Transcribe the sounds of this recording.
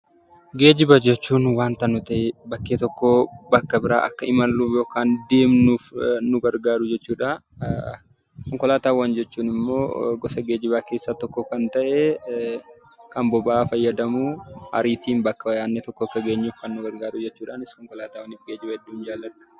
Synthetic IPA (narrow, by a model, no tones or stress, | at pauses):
ɡe̞ːd͡ʒɪbɐd͡ʒɛt͡ʃːuːnwaːnt̪ɐnʊt̪ɐʔɪbɐkːeːt̪ɔkːobɐkːɐbɪɾa̰ːʔɐkːɐɪmɐlːuːfjo̞ːkaːnd̪e̞ːmnuːfnʊɡɐɾɡaːɾʊd͡ʒɛt͡ʃːuːᶑa | kɔŋkɔlaːt̪aːwːɐnd͡ʒɛt͡ʃːuːnɪmːo̰ːɡɔsɐɡeːd͡ʒɪbaːke̞ːsːaːt̪ɔkːɔkɐnt̪ɐʔɛ | kɐmbɔbaːfɐjːɐd̪ɐmuːhɐ̰ɾiːt̪iːmbɐkːɐwɐjaːnːet̪ɔkːɔɐkːɐɡe̞ːɲːuːfkɐnːʊɡɐɾɡaːɾʊd͡ʒɛt͡ʃːuːᶑaːnɪskɔŋkɔlaːt̪aːwɐnɪfɡeːd͡ʒɪbɐhɛd̪ːuːnd͡ʒaːlːɐᶑʊ̥